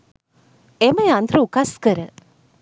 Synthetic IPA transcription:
eməjand̪ɾəukaskəɾə

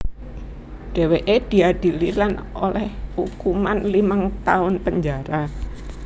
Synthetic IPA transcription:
ɖ̥eweʔed̥i̤ad̥i̤lilanolɛhhukumanlimaŋt̪aʊnpəɲd͡ʒaɾa

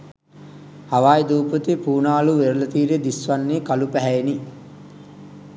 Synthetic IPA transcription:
haʋaːjid̪uːpət̪ipuːnaːluʋeɾəlɐt̪iːɾed̪isʋanːiːkalupæɦæeni

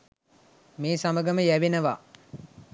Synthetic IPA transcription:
meːsaməɡəməjæʋenəʋaː

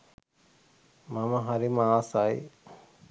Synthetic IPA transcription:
maməɦaɾimaːsaj

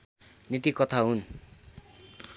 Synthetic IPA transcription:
nit̪ikʌt̪ʰaɦun

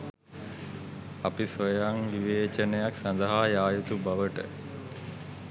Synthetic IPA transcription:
apisʋojaŋʋiʋeːt͡ʃənəjaksand̪əɦaːjaːjut̪ubaʋəʈə̰

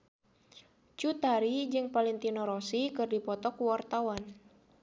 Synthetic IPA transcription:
t͡ʃut̪aɾid͡ʒɨŋpalint̪inɔɾɔsikɨrdipɔt̪ɔkuwart̪awan

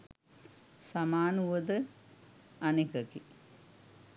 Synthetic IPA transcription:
samaːnuʋəd̪ə | ɐnikəki

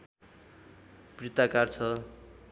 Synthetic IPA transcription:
prit̪akart͡sʰʌ

